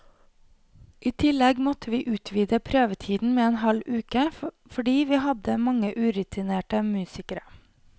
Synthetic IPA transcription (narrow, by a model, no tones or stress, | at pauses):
ʔiːt̪ʰɪlɛɡmɔt̪ʰəʋiːʔʉːt̪ʰʋiːd̪əpʰɾøːʋət̪ʰiːd̪n̩meːɛnhɑlʉːkə | fɔɖiːʋiːhɑd̪əmɑŋəʔʉːɾʉt̪ʰɪneːʈəmʉːsɪkəɾə